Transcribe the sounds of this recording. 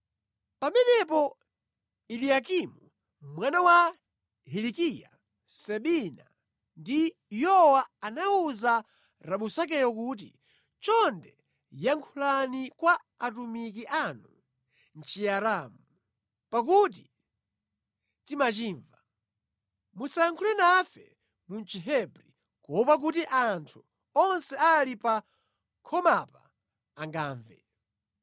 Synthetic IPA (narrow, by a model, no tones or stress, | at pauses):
pamɛnɛpɔ | iliakimu | mwanawa | hilikija̰ | sɛɓina̰ | ndi | jɔwaːnauza | ɾaɓusak̬ɛjɔk̬uːt̬ḭ | t͡ʃɔndɛ | jaŋkʰulanikwaː | t̬umik̬iʔanu | n̩t͡ʃijaɾamu | pak̬ut̬i | timat͡ʃiːɱva | musaŋkʰulɛnafɛ̰ | munt͡ʃiɦɛbɾi | kɔpak̬utiʔantʰu | ɔnsɛalipa | kʰɔmapa̰ː | ŋɡaːɱvɛ̰